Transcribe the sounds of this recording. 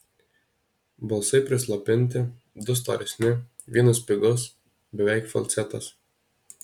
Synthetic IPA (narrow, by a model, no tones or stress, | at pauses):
bɐlˠsɐɪpʲɾʲɪslˠɐpʲɪnʲt̪ʲɪ | d̪ʊst̪ɐ̰ːɾʲɛsʲnʲɪ | ʋʲiɛnɐspʲɪɡɔs | bʲɛʋʲɛɪkfɐ̰lʲt̪sʲɛt̪ɐ̰s